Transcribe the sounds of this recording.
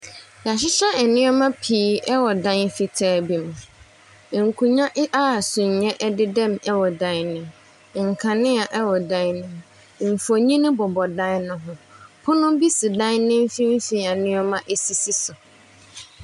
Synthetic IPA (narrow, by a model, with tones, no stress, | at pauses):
ja˨ɕ̬ɪ˦ɕɛ˦ɛ˨nɪ̃˦ɔ˦mã˦pʰiː˨˦ɛ˦wɔ˨dã˦n˦fɪ˨tʰɛː˦bi˨m˨ | ŋ̩˨kʰũ˨ɲã˦ʔa˦˨sʊ˨ɲ̩˨ɲɛ̃˦ʔɛ˦dɪ˦dɛ̃˦˨mɛ˦wɔ˨dã˦n˦nɪ̃˨m | ŋ̩˨kʰã˨nɪ̃˦a˨ʔɛ˦wɔ˨dã˦nnɪ̃˨m˨ | m̩˨fɔ˨ɲĩ˦nɪ̃˦bɔ˨bɔ˨dã˦nnʊ̃˦ɦʊ̃˨pʰʊ˦nʊ̃˦bi˦sɪ˨dã˦nnɪ̃˦m̩˦fĩ˦m̩˦fĩ˨a˨nɪ̃˦ɔ˦mã˦ʔɛ˦si˨si˦sʊ˨